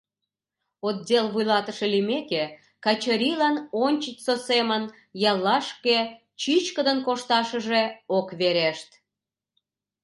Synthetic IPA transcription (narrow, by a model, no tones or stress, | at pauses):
ot̪̚dʲelβujlɑt̪əʃelimeke | kɑt͡ɕəɾʲilɑnonʲt͡ɕət͡ɕʲsosemən | jɑlːɑʃke | t͡ɕit͡ɕkəd̪ənkoʃt̪ɑʃəʒeokβeɾeʃt̪